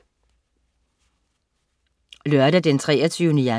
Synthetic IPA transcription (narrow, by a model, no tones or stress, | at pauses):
løɐdæd̥ent͡sʰʁɛ̰ːɐt͡sʰyːʊnəjæ